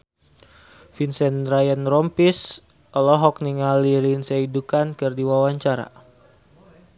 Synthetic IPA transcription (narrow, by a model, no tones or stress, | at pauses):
finsɛnrajənrɔmpis | ɔlɔɦɔk̚niŋaliɾinseidukankɨrdiwawaɲt͡ʃaɾa̰